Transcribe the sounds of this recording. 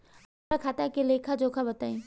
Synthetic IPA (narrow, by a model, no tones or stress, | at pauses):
akʰaːt̪akelekʰad͡ʒokʰabɐt̪aːĩː